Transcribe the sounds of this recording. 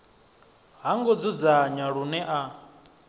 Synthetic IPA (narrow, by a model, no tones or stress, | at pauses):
ɦaŋɡɔd͡zud͡zaɲaɺunɛʔa